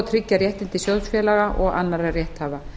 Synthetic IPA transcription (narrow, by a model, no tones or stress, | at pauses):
t̪ʰɾicːaɾjɛht̪ɪnt̪ɪsjœðsfjɛːlaɣaʔɔɣa̰nːaɾarjɛht̪haːva